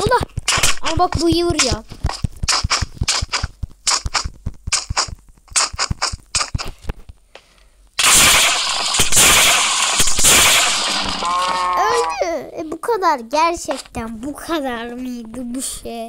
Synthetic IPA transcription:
od̪aamabakbujɯɯɾja | øjlʲɛɛbukʰad̪aɾɟæɾt͡ʃʰɛct̪ʰænbukʰad̪aɾmɯjd̪ɯbiʃej

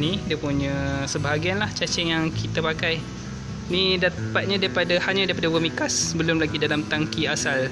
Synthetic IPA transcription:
nidiəpuɲə̃səbaɦaɡianlaht͡ʃat͡ʃɛŋjaŋkʰit̪apakaj | nidapat̪̚ɲadaipadahaɲãdaipadawəmikasbəlʊmlaɡidalamt̪aŋkiasal

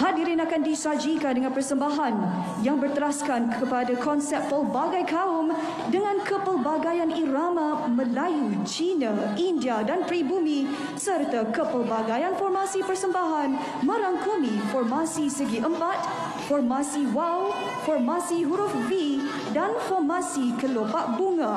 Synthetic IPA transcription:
ɦadiɾinakandisad͡ʒikandəŋãnpərsəmbaɦan | jaŋbərt̪əɾaskankʰəpadakɔnsɛp̚fəlbaɡajkaʊm | dəŋãnkəpəlbaɡajanilamamə̃lajut͡ʃinaindiadant̪ɾibumĩ | sərt̪akəpəlbaɡajanfɔrmasipərsəmbaɦan | mə̃ɾaŋkumĩfɔrmasisəɡiʔəmpat̪̚ | fɔrmãsiwaw | fɔrmasiɦuɾufvi | danfɔrmasikəlopaʔbuŋa

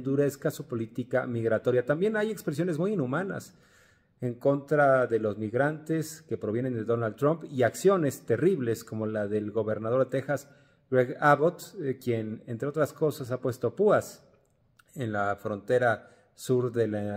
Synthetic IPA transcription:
nd̪uɾe̞skasupo̞lit̪ika̰miɣɾat̪o̞ɾjat̪ambje̞naje̞kspɾes̬jo̞ne̞zmujinumana̰s | e̞ŋko̞nt̪ɾaðe̞lo̞zmiɣɾant̪e̞ske̞pɾoβje̞ne̞nd̪e̞ðo̞nalt̪ːɾompiaksjo̞ne̞st̪e̞riβle̞sko̞mo̞laðe̞lɣo̞βe̞ɾnaðo̞ɾt̪e̞xas | reɣaβot̪kje̞nent̪ɾeo̞t̪ɾasko̞sas̬apwe̞st̪o̞puas | e̞nlafɾo̞nt̪e̞ɾa | suɾðe̞la

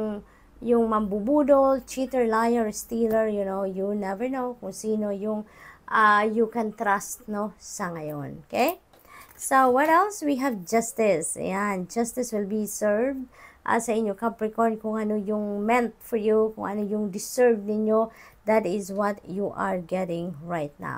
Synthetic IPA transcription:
ŋ | jʊŋmɐmbubuːd̪olt͡ʃit̪ɛɹlajɛɹst̪ilɛɹjʊnowjunɛvɛɹnowkʊŋsiːnojʊŋʔajukɛ̃nt̪ɾast̪nosɐŋɐjo̰nokej | sowɔt̪ɛlˠswiɦavd͡ʒast̪ɪsjand͡ʒast̪ɪswɪlbisɛɹvd̪̚ʔa̰sɐɪɲjokɐpɹɪkɔɹnkʊŋɐnojʊŋmɛ̃nt̪̚fɔɹjukʊ̰ŋʔɐnojʊŋd̪ɪsɛɹvnɪɲjod̪at̪ɪzwɔt̪juʔaɹɡɛɾɪ̃ŋɹajt̪̚na̰w

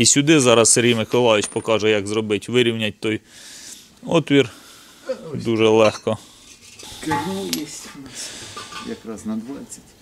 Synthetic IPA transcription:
isʲʊd̪ɪzɑɾɐsseɾʲijmɪkɔlˠɑʋʲɪt͡ʃpɔkɑʒɛjɐɡzrɔbɪtʲʋɪɾʲiwnʲɐt̚ʲt̪ɔj | ɔt̪ʋʲir | d̪uʒɛlˠɛxkɔ | kenɑlˠjɛsʲtʲnɛsʲjɐkɾɑznɐd̪ʋɑt͡sʲːɐ̥tʲ

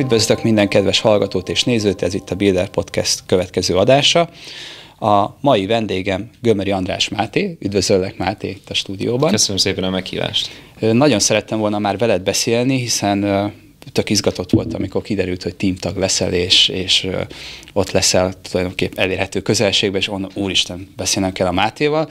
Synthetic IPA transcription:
yd̪vøzløkmind̪ɛŋkɛd̪vɛʃhɒlɡɒt̪oːt̪eːʃneːzøːt̪ɛzit̪ʰːɒbild̪ɛrpo̞t̪kɛ̰st̪køvɛt̪kɛzøːɒd̪aːʃɒ | ɒmɒjivɛnd̪eːɡɛmɡømɛɾiɒnd̪ɾa̰ːʃmaːt̪eːyd̪vø̞zølːɛkmaːt̪ḛːt̪ːɒʃt̪uːd̪ḭjoːbɒnkøsənəmseːpɛnɒmɛkhḭːva̰ːʃt̪øːnɒɟo̞nsɛɾɛt̪ːɛɱvo̞lnɒmaːrvɛlɛd̪̚bɛseːlniɦisɛn | t̪ø̞kizɡɒt̪o̞t̪ʋo̞lt̪ɒmiko̞rkid̪ɛɾylt̪hoc̚t̪iːmt̪ɒɡlɛsɛ̰leːʃeːʃ | o̞t̪lɛsɛlt̪ulɒjd̪o̞ŋkepɛɛleːrhɛt̪øːkø̞zɛlʃeːɡbɛeːʃonuːɾiʃt̪ɛnbɛseːlnɛmkɛlːɒmaːt̪eːvɒl

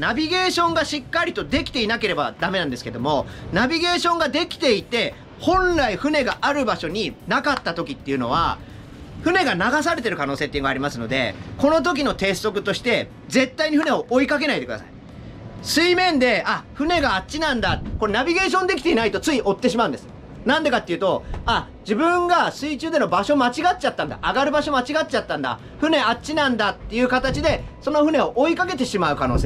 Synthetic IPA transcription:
nabʲiɡe̞ːɕõ̞ŋɡaɕikːaɾʲit̪o̞d̪e̞kʲi̥t̪e̞inake̞ɾe̞ba̰d̪ame̞nãnd̪sɨ̥ke̞d̪o̞̰mo̞nabʲiɡe̞ːɕõ̞ŋɡad̪e̞kʲi̥t̪e̞it̪e̞ | hõ̞ñɾaiɸɯ̟ne̞ɡaʔaɾɯ̟baɕo̞ɲ̟inakat̪ːat̪o̞kʲit̪ːe̞iɯ̟no̞̰β̞a̰ | ɸɯ̟ne̞ɡanaɡas̬aɾe̞t̪e̞ɾɯ̟kano̞ːse̞ːt̪ːeiɡaɾʲimasɨno̞d̪e̞̰ko̞no̞t̪̬o̞k̬ʲino̞t̪e̞ːso̞kɯ̟t̪o̞ɕi̥t̪e̞ | d͡ze̞t̪ːaiɲ̟iɸɯ̟neo̞ʔoikak̬e̞naid̪e̞kɯ̟d̪a̰sa̰i | sɨimẽ̞nd̪e̞aɸɯ̟ne̞ɡaːtt͡ɕinãnd̪akoɾenabʲiɡe̞ːɕ̬õ̞nd̪e̞kʲi̥t̪e̞inait̪o̞t͡sɨiʔo̞t̪ːe̞ɕ̬imaɯ̟̃nd̪sɨ̥ | nãnd̪ekat̪ːeiɯ̟t̪o̞a | d͡ʑibɯ̟̃ŋɡasɨit͡ɕɨːd̪e̞no̞baɕo̞mat͡ɕiɡatt͡ɕat̪ːãnd̪a̰ʔaɡaɾɯ̟baɕo̞mat͡ɕiɡat̚t͡ɕat̪ːãnd̪a̰ | ɸɯ̟ne̞att͡ɕinãnd̪at̪ːe̞jɯ̟ːkat̪at͡ɕid̪e̞so̞no̞ɸɯ̟ne̞o̞ʔikake̞t̪e̞ɕimaɯ̟kano̞ːse

